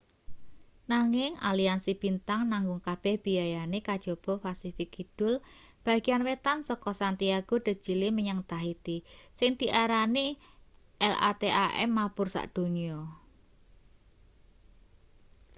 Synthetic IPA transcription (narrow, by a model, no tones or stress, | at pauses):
naŋɪŋʔa̰liansib̥int̪aŋnaŋɡʊŋkab̥ɛhb̥i̤ajanekad̥ʒ̥ob̥ɔ̤fasifɪkid̪̥ʊ̤l | b̥a̤ɡ̥ianwet̪ansɔkɔsant̪iaɡ̥o̤d̪̥ə̤̥ʒ̥i̤lɪməɲəŋt̪aɦit̪isɪŋd̪̥i̤ʔaɾani | ʔɛlʔa̰t̪eʔaʔɛ̰mːapʊrsa̰ʔd̪̥o̤niɔ